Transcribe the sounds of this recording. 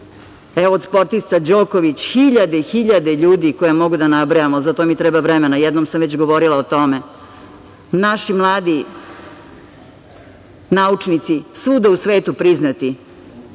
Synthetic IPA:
eʋoːd̪spo̞ɾt̪ist̪ad͡ʑoːkoʋit͡ɕxiʎad̪eixiʎad̪eʎuːd̪ikojemo̞ɡud̪anabɾojamozat̪omit̪ɾɛːbaʋɾɛmenajɛd̪nomsamʋet͡ɕɡoʋoɾilˠaot̪o̞me | naʃimlˠaːd̪i | naut͡ʂnit̪sisud̪ausʋe̞ːt̪upɾiznat̪i

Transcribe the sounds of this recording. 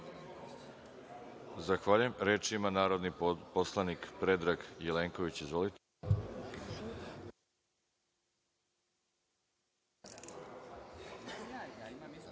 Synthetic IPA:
zaxʋaʎuje̞mɾeːt͡ʃimanaːɾo̞d̪niposlˠanikpɾe̞d̪ɾaɡjeleːŋko̞ʋit͡ɕizʋo̞lit̪e

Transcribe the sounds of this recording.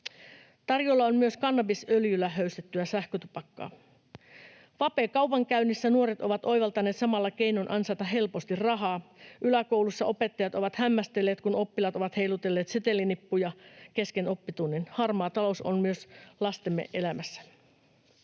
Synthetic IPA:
t̪ɑrjolːɑonmyø̞skɑnːɑbisøljylːæɦøyst̪et̪ːyæsæhkøt̪upɑkːɑ̰ː | ʋɑpeːkɑupɑŋkæynːisːænuoɾet̪o̞ʋɑt̪ʔo̞jʋɑlt̪ɑne̞ːt̪sɑmɑlːɑk̟e̞jnonʔɑnsɑjt̪ɑɦe̞lpo̞st̪irrɑɦɑːʔylæko̞wlusːɑʔo̞pe̞t̪ːɑjɑt̪o̞ʋɑt̪hæmːæst̪elːe̞ːt̪kuno̞pːilɑt̪oʋɑt̪he̞jlut̪e̞lːe̞ːt̪set̪e̞lːinipːujɑke̞skeno̞pːit̪unːinhɑrmɑːt̪ɑlo̞sonmyø̞slɑst̪emːḛʔe̞læmæsːæ̥

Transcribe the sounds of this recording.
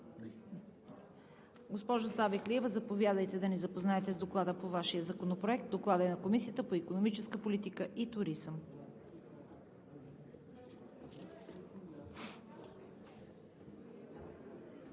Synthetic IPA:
ɡospɔʒʊsabikliɛvəzɐpovjad̪əjt̪ɛd̪ɐnizɐpoznaɛt̪ɛzd̪oklˠad̪əpovaʃijəzɐkonopɾoɛkt̪̚d̪oklˠad̪əɛnɐkomisijət̪əpoikonomit͡ʃɛskəpolit̪ikəʔit̪uɾizəm

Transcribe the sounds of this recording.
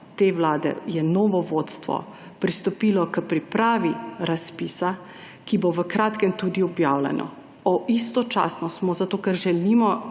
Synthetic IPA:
t̪eʋlaːd̪ɛ̰jɛnɔːʋɔʋoːt̪st̪ʋɔ̰ | pɾist̪ɔpilɔkəpɾipɾaːʋiɾaspiːsa | kiboʋəkɾaːt̪kɛmt̪ud̪iɔbjaːwlɛ̰nɔ̰ | ɔist̪ɔt͡ʃa̰ːsnɔsmɔzat̪oːkɛɾʒɛlimɔ

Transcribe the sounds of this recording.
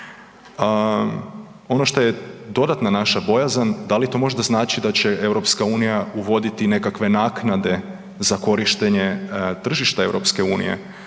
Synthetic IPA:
o̞noʃt̪o̞je̞d̪o̞d̪at̪nanaʃabo̞jazand̪alit̪o̞ːmo̞ʒd̪aznaːt͡ʃid̪at͡ɕe̞e̞wɾo̞pskauːnijauʋo̞d̪it̪ine̞kakʋe̞naːknad̪e̞ | zako̞ɾiʃt̪eɲe̞t̪r̩ʒiʃt̪ae̞wɾo̞pske̞uːnḭjḛ

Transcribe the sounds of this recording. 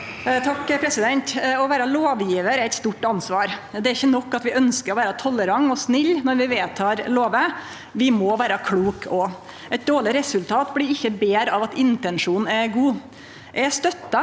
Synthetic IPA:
t̪ʰɑkːpʰɾɛsɪd̪ɛnt̪ɔʋæːɾəloːʋjiːʋəɾæɾɛɪt̪st̪uːʈːɑnsʋɑːɾd̪ɛæɾɪçːənɔkːɑt̪ʋɪʔœnskəɾɔʋæːɾət̪ʰɔləɾɑŋːɔsnɪlːnɔɾʋɪʋeːt̪ʰɑːɾloːʋə | ʋɪmɔʋæːɾəkʰluːkʰɔ | ɛɪt̪̚d̪oːɭɪɾɛsʉlt̪ʰɑːt̪blɪɾɪçːəbeːɾɑʋɑt̪ɪnt̪ɛnʂuːn̩ɛɡuː | ʔɛst̪œt̪ːɑ

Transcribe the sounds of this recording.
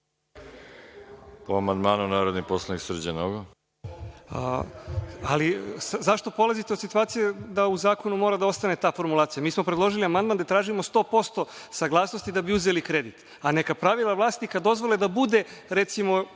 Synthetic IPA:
poamand̪maːnunaːɾod̪niposlˠaniksr̩d͡ʑenoɡo | aliszaʃt̪o̞po̞lazit̪eosit̪uaːt̪sijed̪auzaːko̞numo̞ːɾad̪ao̞st̪ane̞t̪aːfo̞ɾmulˠaːt̪sijamiːsmo̞pɾed̪lo̞ʒiliamand̪̚mand̪at̪ɾaːʒimo̞st̪o̞ːpo̞st̪o̞saɡlˠaːsno̞st̪id̪abiuze̞likɾe̞d̪it̪ | anekapɾaʋilˠaʋlˠaːst̪ikad̪o̞zʋo̞led̪abud̪e̞ɾet̪simo̞

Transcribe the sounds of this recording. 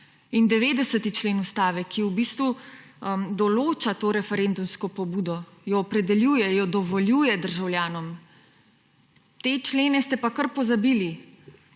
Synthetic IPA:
ind̪ɛʋeːd̪ɛsət̪it͡ʃleːnust̪aːʋɛkʰiubist̪ʋu | d̪ɔloːt͡ʃat̪oːɾɛfɛɾend̪umskɔpɔbuːd̪ɔ | jɔːpɾɛd̪ɛljuːjɛjɔd̪ɔʋɔljuːjɛd̪əɾʒawljaːnɔm | t̪eːt͡ʃleːnɛst̪ɛpakəɾpɔzabiːli

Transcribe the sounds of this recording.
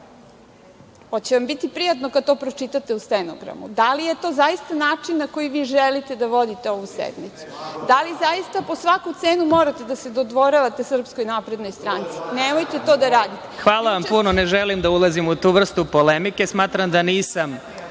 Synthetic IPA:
ot͡ɕeʋambit̪ipɾijat̪no̞kad̪̚t̪o̞ːpɾo̞t͡ʃit̪at̪e̞ust̪eno̰ɡɾa̰mṵd̪alije̞t̪o̞zaist̪anaːt͡ʂinːako̞jiʋiːʒelit̪e̞d̪aʋo̞d̪it̪eo̞ʋusḛd̪mit̪su̥d̪alizaist̪apo̞sʋakut̪seːnumo̞ɾat̪e̞d̪ase̞d̪od̪ʋo̞ɾaʋat̪esr̩psko̞jnapɾe̞d̪no̞jst̪ɾant̪si̥nemojt̪e̞t̪o̞ːd̪aɾaːd̪it̪exʋaːlˠaʋampunoneʒelimd̪aulˠazimut̪uːʋr̩st̪upolemike̞smaːt̪ɾamd̪aniːsam

